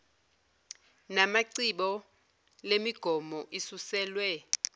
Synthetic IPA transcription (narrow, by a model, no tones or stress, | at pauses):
namaǀiɓɔ | lemiɡ̥ʱɔmɔʔisusɛːlwɛ